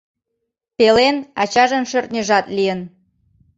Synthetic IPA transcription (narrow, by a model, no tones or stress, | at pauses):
pelenɑt͡ɕɑʒənʃørt̪̚nʲəʒɑt̪lijən